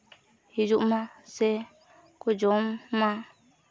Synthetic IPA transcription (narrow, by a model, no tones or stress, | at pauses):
hid͡ʒuʔmasɛ | kud͡ʒɔmːa